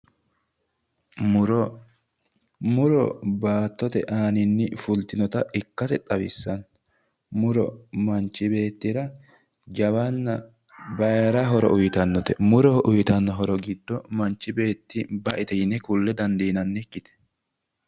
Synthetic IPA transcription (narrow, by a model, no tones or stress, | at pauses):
ɾ | mʊɾɔbaːt̪ːɔt̪ɛʔaːnɪnːɪfʊlt̪ɪnɔt̪ɐɪkːɐsɛt̪ʼɐwɪsːɐn | mʊɾɔmɐnt͡ʃːɪbe̞ːt̪ːɪɾɐ | d͡ʒɐβɐnːɐ | bɐjɾɐɦɔɾɔ̰ʔʊjɪt̪ɐnːɔt̪ɛmʊɾɔʔʊjɪt̪ɐnːɔɦɔɾɔɡɪd̪ːɔmɐnt͡ʃːɪbe̞ːt̪ːɪbɐʔɪt̪ɛjɪnɛkʊlːɛd̪ɐnd̪iːnɐnːɛkːɪt̪ɛ̥